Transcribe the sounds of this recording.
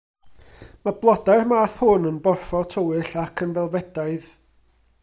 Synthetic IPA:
mablˠɔdarmaːθhʊnənbɔrfɔtʰəwɨɬakʰənvɛlˠvɛd̥aɨð

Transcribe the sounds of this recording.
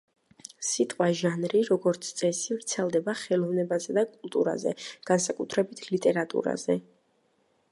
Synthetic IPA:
sit̪ʼqʼwaʒanɾiɾɔɡɔɾt̪sʰt̪sʼɛsivɾt̪sʰɛlˠd̪ɛbaχɛlˠɔvnɛbazɛd̪akʼulˠt̪ʼṵɾa̰zɛ̰ɡ̥ansakʼut̪ʰɾɛbit̪ʰlit̪ʼɛɾat̪ʼṵɾa̰zɛ

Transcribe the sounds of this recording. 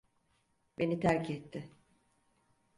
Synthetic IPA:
be̞nit̪ʰæɾcɛt̪ʰːɪ

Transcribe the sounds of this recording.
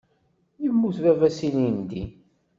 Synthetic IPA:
jəmːuθvævæsinind̪i

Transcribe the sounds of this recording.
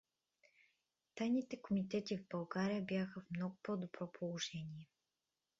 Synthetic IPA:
t̪ajnit̪ɛkomit̪ɛt̪ivbɐlˠɡaɾijəbjaxəvmnɔɡʊpɔd̪obɾɔpʰolˠoʒɛnʲiɛ

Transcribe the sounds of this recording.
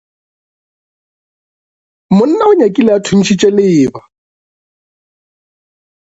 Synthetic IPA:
mʊn̩naʊɲakʼilɪatʰʊn̩t͡ʃʰit͡ʃʼɛlɪːba

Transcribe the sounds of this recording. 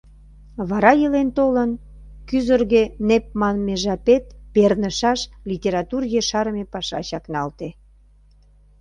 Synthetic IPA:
βɑɾɑjəlent̪olən | kyzərɣenep̚mɑnmeʒɑpet̪̚pernəʃɑʃlʲitʲeɾɑt̪urjeʃɑɾəmepɑʃɑ̰ɕɑknɑlt̪e

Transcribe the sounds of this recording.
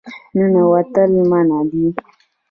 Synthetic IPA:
nənawat̪alimanabi

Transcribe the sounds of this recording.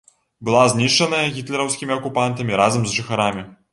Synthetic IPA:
bɨlˠazʲnʲiʂt͡ʂɐnɐjɐɣʲit̪lʲɛɾɐwsʲkʲimʲiɐkupant̪ɐmʲiɾazɐmzʐɨxaɾamʲi

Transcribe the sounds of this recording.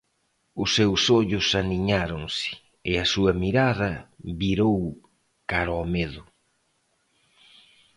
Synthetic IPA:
ʊsːewsoʎʊsaniɲaɾoŋsɪ̥ | ɪɐsuɐmiɾaðɐβiɾow | kaɾɔmeðʊ

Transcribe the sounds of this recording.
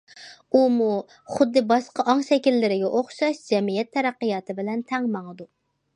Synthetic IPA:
umu | χʊd̪ːɨbɑʃqɑʔɑŋʃɛkʲilːɪɾɪɡʲɛʔoχʃɑʃd͡ʒɛmijɛt̪ʰːɛɾæqːɨjɑːt̪ʰɨbɪlɛnt̪ʰɛŋmɑŋəd̪u

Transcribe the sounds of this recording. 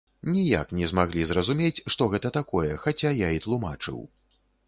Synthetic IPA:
nʲija̰knʲɛzmaɣlʲizɾɐzumʲet͡sʲʂt̪ɔɣɛt̪ɐt̪akɔjɛxat͡sʲajait̪lˠumat͡ʂɨ̰w

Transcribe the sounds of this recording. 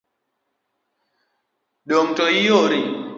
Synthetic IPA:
ɗoŋtɔijoɾi

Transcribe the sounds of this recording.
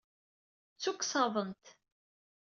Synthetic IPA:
t͡sːukːsɑðˤənt̪

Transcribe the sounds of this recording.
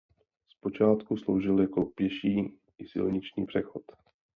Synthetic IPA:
spo̞t͡ʃaːt̪kuslowʒɪljakopjɛʃiː | ʔɪsɪ̰lɲɪt͡ʃɲiːpr̥ɛxot̪

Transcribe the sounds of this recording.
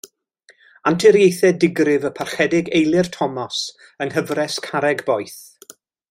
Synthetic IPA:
antʰɪɾjejθɛdɪɡrɪvəpʰarχɛdɪɡejlˠɪrtʰɔmɔs | əŋhəvrɛskʰaɾɛɡbɔjθ

